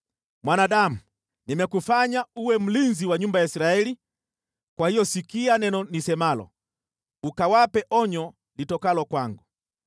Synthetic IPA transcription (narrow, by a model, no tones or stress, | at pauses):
mwanaɗamu | nimɛkufaɲauwɛm̩linziwaɲumbajaisiɾaɛli | kwahijɔsikianɛnɔnisɛmalɔ̰ | ukawapɛʔɔɲɔ | litɔkalɔkwaŋɡu